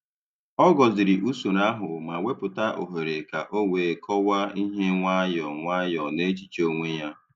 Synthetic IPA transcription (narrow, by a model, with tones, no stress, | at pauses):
ɔ˦ɡɔ˨zɪ˨ɾi˨ʔu˦su˨ɾa˦ɦʊ˨ma˨wʷe˦pʊ˨ta˦ʔo̰˨ɦe˨ɾe˨ka˨ʔo˦ŋʷeː˨˦kʰɔ˦wa˦i˦ɦe˦ŋʷa˦jɔ˨ŋʷa˦jɔ˨ne˦t͡ʃi̥˨t͡ʃo˦ŋʷe˦ja˦